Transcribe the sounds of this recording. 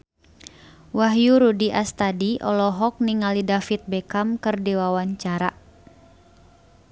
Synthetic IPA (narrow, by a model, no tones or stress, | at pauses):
waɦjuɾudiʔast̪adiʔɔ̰lɔɦɔk̚niŋalidafit̪̚bɛkamkɨrdiwawaɲt͡ʃaɾa̰